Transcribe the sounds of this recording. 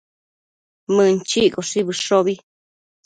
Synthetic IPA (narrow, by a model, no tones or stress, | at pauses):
mɨ̃nt͡ʃikoʂiβɨʂoβi